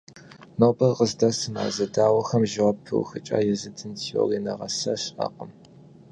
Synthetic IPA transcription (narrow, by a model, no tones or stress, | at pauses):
nobɐrqʼəzdɐsɨma̰ːzɐdaːwɐxɐmʒɪʁɐpʰɨ̰wxɨt͡ʃʼa̰ːjɛzɨdʰɨntʰiwo̰riːnɐʁɐsɐɕʼa̰ːqʼəm